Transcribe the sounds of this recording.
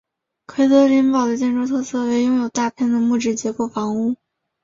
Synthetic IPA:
kʰwe˥ɪt̪ɤ˧˥li˧˥npɑ˨˩ʊd̪ə˦t͡ɕjɛ˥˧nʈ͡ʂo˥t̪ʰɤ˥˧sɤ˥˩we˧˥ɪjʊ˥˧ŋjo˨˩ʊt̪a˥˧pʰjɛ˥˩nd̪ə˩mu˥˩ʈ͡ʂɻ̩˥˩t͡ɕjɛ˧˥kwɔ˧˥˩fɑ˧˥ŋu˥˩

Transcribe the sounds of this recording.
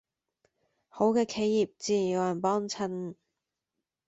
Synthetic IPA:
ho˨˥wkɛː˧kʰe˨˧jːiː˨p̚t͡siː˧˩˨jo˨˧wjɐ˨˩npɔː˥ŋt͡sʰɐ˧˥n

